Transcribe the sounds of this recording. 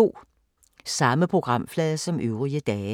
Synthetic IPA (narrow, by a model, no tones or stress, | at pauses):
o̝̰ː | sɑ̈məpʰʁo̝ɡ̥ʁɑ̈m̰flɛːðˠɐsɒ̽mʔøʊʁiəd̥ɛː